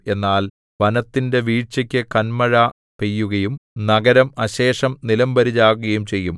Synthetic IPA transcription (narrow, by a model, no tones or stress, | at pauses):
e̞nːaːl | ʋɐnɐt̪ːinde̞ʋiːt͡ɕːɐkʲːɨkɐnmɐɻɐ | pejːuɣɐjumnɐɡɐɾɐmɐɕe̞ːʂɐmnilɐmbɐɾid͡ʑaːɣuɣɐjumt͡ɕe̞jːum